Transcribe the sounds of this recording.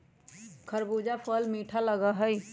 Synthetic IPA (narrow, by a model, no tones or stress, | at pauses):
kʰəɾbuːd͡ʒapʰəlmiːʈʰaləɡaɦəj